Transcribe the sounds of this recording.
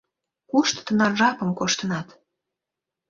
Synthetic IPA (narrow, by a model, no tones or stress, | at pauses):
kuʃt̪t̪ənɑrʒɑpə̆mkoʃt̪ənɑt̪